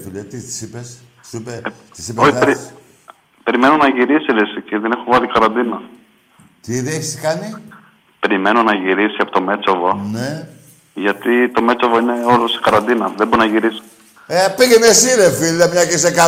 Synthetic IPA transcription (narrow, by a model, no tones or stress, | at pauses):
t̪ulet̪it̪i̥sipes | supe | t̪i̥sipoiɾi | pe̞ɾime̞nonɐʝiɾisiɾisiciðenexovɐlikɐɾɐnd̪inɐ | t̪iðieçiskɐni | pe̞ɾime̞nonɐʝiɾisiɐpo̞t̪o̞me̞t͡sovone | ʝɐt̪it̪o̞me̞t͡sovoineo̞lose̥kɐɾɐnd̪inɐðeboɾinɐʝiɾisi̥ | epiɣenesiɾefiliɐmɲɐkes̬ekɐ